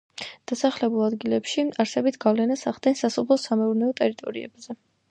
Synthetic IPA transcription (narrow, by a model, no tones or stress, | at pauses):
d̪̥asaχlɛbulˠad̪ɡilɛpʃiaɾsɛbit̪ʰɡ̥avlɛnasaʁd̪ɛnsasɔpʰlˠɔsamɛuɾnɛɔt̪ʼɛɾit̪ʼɔɾiɛ̰bzɛ